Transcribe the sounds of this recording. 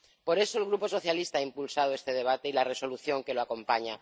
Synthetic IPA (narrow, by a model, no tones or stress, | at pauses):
po̞ɾe̞so̞elɣɾupo̞so̞θjalist̪aaimpulsaðoest̪e̞ðeβ̞at̪e̞ilare̞so̞luθjo̞ŋke̞loako̞mpaɲa